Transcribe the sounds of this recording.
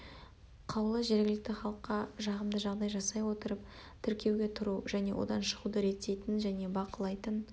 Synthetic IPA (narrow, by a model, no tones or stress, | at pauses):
qʰɑwlˠəʒe̞ɾɡʲɪlɪk̚t̪ɪχɑlˠəqːɑʒɑʁəmd̪əʒɑʁd̪ɑjʒɑsɑjwo̞t̪əɾəp̚ | t̪ʰʏɾkʲe̞wɡʲe̞t̪ʰʊɾuʒæne̞̰wʔo̰d̪ɑnʃəʁud̪əɾe̞t̪ːe̞jt̪ɪnʒæne̞bɑqəlˠɑjt̪ən